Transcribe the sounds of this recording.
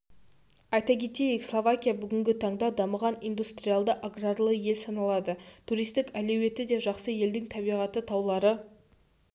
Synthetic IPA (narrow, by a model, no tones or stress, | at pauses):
ɑjt̪ɑkʲʰe̞t̪ejekslˠovakʲijabʏɡʲɪŋɡʲɪt̪ʰɑɴd̪ɑd̪ɑməʁɑnijnd̪ust̪ɾijalˠd̪əʔaɡrarlˠəje̞lsɑnɑlˠɑd̪ət̪ʰuɾijst̪ɪkælewe̞t̪ɪd̪e̞ʒɑqsəje̞ld̪ɪŋt̪ʰɑbijʁɑt̪ət̪ʰɑwlˠɑɾə